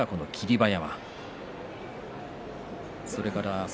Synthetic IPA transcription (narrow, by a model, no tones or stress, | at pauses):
ako̞no̞kʲʰiɾʲibajama̰ | so̞ɾe̞kaɾa